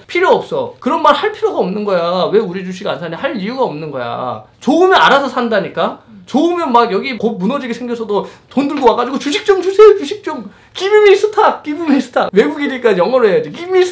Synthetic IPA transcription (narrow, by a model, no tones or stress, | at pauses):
pʰiɾjoʌp̚s͈ʌkɯɾʌnmaɭhaɭpʰiɾjoɡaʌmnɯnɡʌjawe̞uɾid͡ʑuɕ̬ʰiɡansʰaɲihaɭijuɡaʌmnɯnɡʌja̰t͡ɕoɯmjʌnaɾasʰʌsʰandaɲik͈at͡ɕoɯmjʌnmaɡjʌɡikomunʌd͡ʑiɡesʰe̞ŋɡjʌsʰʌdotondɯɭɡowaɡad͡ʑiɡot͡ɕuɕʰik̚t͡ɕ͈ʌmt͡ɕʰusʰet͡ɕuɕʰik̚t͡ɕ͈ʌm | kibimis͈ʰɯtʰak̚k͈ibimisʰɯ̥tʰakwe̞ɡuɡiɲik͈ajʌŋʌɾoɦejad͡ʑikimi